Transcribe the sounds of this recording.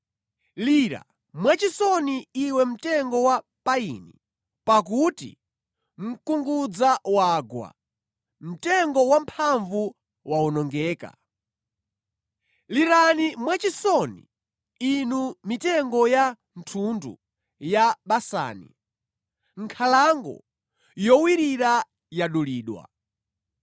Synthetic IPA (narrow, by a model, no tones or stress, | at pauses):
liɾa̰ | mwat͡ʃisɔniːwɛm̩tɛŋɡɔwa | paḭnḭ | pak̬utḭ | m̩kuŋɡud͡zawaːɡwa̰ | m̩tɛŋɡɔwampʰaɱvu | waunɔŋɡɛːka̰ | liɾanimwat͡ʃisɔnḭ | inumitɛŋɡɔja | n̩tʰundṵ | jaɓasa̰ːnḭ | ŋ̩kʰalaŋɡɔ̰ | jɔwiɾiɾa | jaɗuliːɗwa̰